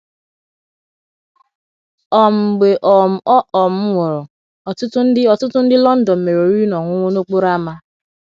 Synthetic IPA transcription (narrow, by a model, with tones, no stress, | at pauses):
ɔ˨m̩˨ɡ͡be˨ʔɔ˨m̩˨ɔ˦ʔɔ˨m̩˦ŋʷɔ˨ɾɔ˨ | ɔ˨tʊ˦tʊ˦n̩˦dɪ˦ɔ˨tʊ˦tʊ˦n̩˦dɪ˦lɔ˦n̩˦dɔ˨m̩˨me˨ɾo˨ɾi˦nɔ˨ŋʷʊ˦ŋʷo˦no˦k͡po˦ɾa˦ma˦